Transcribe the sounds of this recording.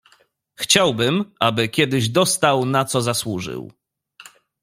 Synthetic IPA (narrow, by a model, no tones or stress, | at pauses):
xt͡ɕawbɘmʔabɘkʲɛd̪ɘʑd̪ɔst̪awnat̪sɔzaswuʐɘ̰w